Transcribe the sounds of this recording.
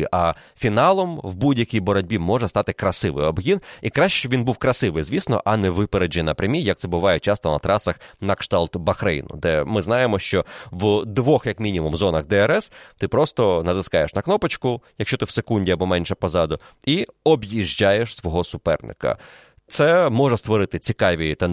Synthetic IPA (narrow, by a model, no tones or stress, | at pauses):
ʔɐfʲinɑlˠɔmwbudʲjɐkʲijbɔɾɔdʲbʲimɔʐɛst̪ɑt̪ɪkɾɐsɪʋɪ̰jɔbɦʲinikɾaʃt͡ʃt͡ʃɛʋʲinbuwkɾɐsɪʋɪjzʲʋʲisnɔ̰ʔɐnɛʋɪpeɾed͡ʒinɐpɾʲɐmʲijɐk̪̚sɛbʊʋɑjɛt͡ʃɑst̪ɔnɐ̰t̪ɾɑsɐxnɐkʃt̪ɑlˠt̪bɐxɾɛ̰jnʊ̰d̪ɛmɪznɑjemɔʃt͡ʃɔwd̪ʋɔxjɐkmʲinʲimumzɔnɐɣd̪ɛɛɾɛst̪ɪpɾɔst̪ɔnɐd̪ɪskɑjeʃnɐknɔpɐt͡ʃkʊjɐkʃt͡ʃɔt̪ɪwsekunʲdʲiɐbɔmɛnʲʃɛpɔzɑd̪ʊiɔbjiʒʲd͡ʒajeʃsʋɔɦɔsʊpɛ̰rnɪ̰kɐ̰ | t̪sɛmɔʐɛst̪ʋɔɾɪt̪ɪt͡sʲikɑʋʲit̪ɑ